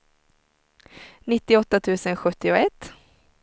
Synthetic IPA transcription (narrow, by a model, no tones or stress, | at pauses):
nɪt̪ːɪɔt̪ːat̪ʰʉ̟ːsənɧɵt̪ːɪʊɛt̪ː